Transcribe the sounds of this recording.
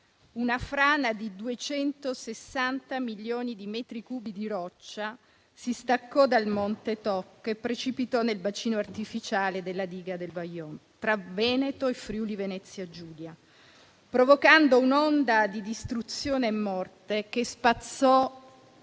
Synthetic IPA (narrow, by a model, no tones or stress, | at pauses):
unafɾaːnad̪id̪uet͡ʃɛnt̪osesːant̪amilːjoːnid̪imɛt̪ɾikuːbid̪iɾɔt͡ʃːa | sist̪akːɔd̪almont̪et̪ɔkepːɾet͡ʃipit̪ɔnelbat͡ʃiːnoart̪ifit͡ʃaːled̪elːad̪iːɡad̪elbajːɔnt̪ɾavɛːnet̪oefɾjuːlivenɛt̪sːjad͡ʒuːlja | pɾovokand̪ounond̪ad̪id̪ist̪ɾut̪sjoːneːmːɔrt̪ek̟espat̪sːɔ